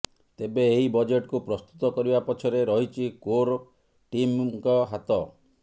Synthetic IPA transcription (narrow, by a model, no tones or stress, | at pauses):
t̪ebeːɦibɔd͡ʒeʈkupɾɔst̪u̥t̪ɔkɔɾibapɔt͡ʃʰɔɾeɾɔɦit͡ʃʰikoɾ | ʈimkɔɦat̪ɔ